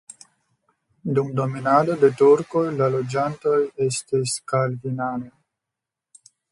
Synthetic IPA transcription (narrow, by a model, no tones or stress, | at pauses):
d̪umd̪ominaːd̪od̪et̪uɾkojlalod͡ʒant̪ojest̪iskald̪inaːne